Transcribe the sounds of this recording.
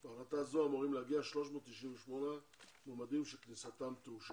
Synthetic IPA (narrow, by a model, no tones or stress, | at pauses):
baχlat̪azoamoʁimleaɡiaʃlo̞ʃmo̞ːt̪tːiʃiɱveʃmo̞ne | momad̪imʃeknisat̪amt̪euʃ